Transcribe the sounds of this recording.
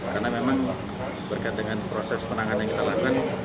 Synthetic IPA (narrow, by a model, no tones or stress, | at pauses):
karnamemaŋ | bərkaɪt̪̚dəŋanpɾosɛspənaŋanjaŋkit̪alakukan